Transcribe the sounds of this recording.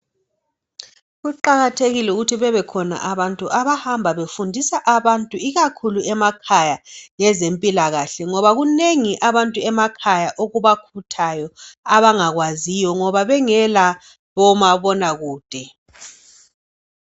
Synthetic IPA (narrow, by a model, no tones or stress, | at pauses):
ɣuǃaɣatʰeɣilɛuɣutʰiβɛβɛkʰɔna̰ʔaβantʼuʔaβahambʱaβefundʱisaʔaβantʼuiɣakʰuluɛmakʰajaŋɛzempʼilaɣaɬɛŋɔβaɣuneŋiʔaβantʼuɛmakʰajaʔoɣuβakʰutʰajɔaβaŋaɣwazijɔŋɔβaβɛŋɛla | βɔmaβɔnaɣuːd̥ʱɛ